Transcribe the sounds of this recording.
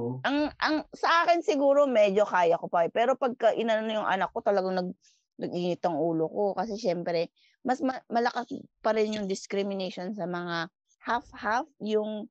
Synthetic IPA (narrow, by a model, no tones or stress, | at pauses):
ʔɐŋʔɐŋsɐʔaːkɪnsɪɡuːɾo̞mɛd͡ʒo̞kaːjɐkopɐpɛːɾo̞pɐɡ̚kɐʔɪnɐnojʊŋʔɐ̰nɐkːo̞t̪ɐlɐɡaŋnɐɡ̚ | nɐɡʔɪŋɪt̪ɐŋʔuːlokokɐs̬ɛʃɛmpɾɛ | mɐsmɐmɐlɐkaspɐɾɪnjʊŋd̪ɪskɾɪmɪnɛʃo̞nsɐmɐŋa | hafhafjʊŋ